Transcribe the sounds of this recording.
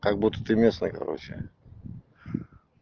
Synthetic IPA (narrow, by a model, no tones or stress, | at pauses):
kaɡ̚but̪ːə̥t̪ɨmʲesnəjkɐ̰ɾo̰t͡ɕɪ̰